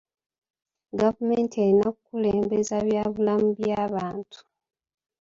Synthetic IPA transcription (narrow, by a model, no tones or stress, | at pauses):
ɡavume̞ːntienakukule̞ːmbe̞zaβjaːβulamuβjaːβaːntʰu̥